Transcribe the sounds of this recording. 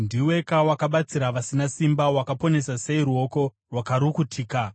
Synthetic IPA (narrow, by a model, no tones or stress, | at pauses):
ndiwe̞kawakaɓat͡siɾaʋasinasimbawakapo̞ne̞sase̞iruo̞ko̞ | rwakaɾukutʰiːka